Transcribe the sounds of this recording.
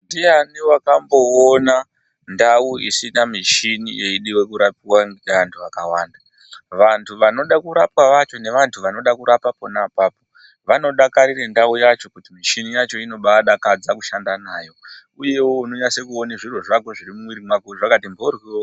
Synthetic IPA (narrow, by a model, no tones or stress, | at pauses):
ndijaniwakambo̞ona | ndauḭsinamiʃinijeiɗiwe̞kuɾapiwaʋantʰuʋakawaːnda | ʋantʰuʋano̞ɗakuɾapwaʋat͡ʃo̞ne̞ʋantʰuʋano̞ɗakuɾapapo̞napaːpo̞ | ʋano̞ɗakaɾirendaujat͡ʃo̞kutimiʃinijat͡ʃo̞ino̞ɓaɗakad͡zakuʃandanaːjo̞ | uje̞wouno̞ɲasekuoneʐiroʐakoʐiɾimumwiɾimwakuʐakatimborwio